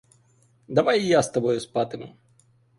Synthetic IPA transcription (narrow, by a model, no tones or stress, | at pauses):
d̪ɐvajjast̪ɐbɔjʊspat̪ɨm